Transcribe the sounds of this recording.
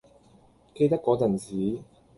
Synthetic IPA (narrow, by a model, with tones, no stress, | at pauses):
ke˥˧jt̪ɐ˥kːɔː˨˥t͡sɐ˨˩nt͡siː˨˥